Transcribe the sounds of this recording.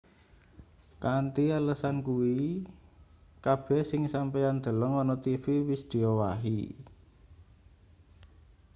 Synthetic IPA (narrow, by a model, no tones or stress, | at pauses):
kant̪ialəsankuwi | kab̥ɛhsɪŋsampejand̪̥ə̤ləŋwɔnɔt̪ifiwɪsd̪̥i̤ɔwaɦḭ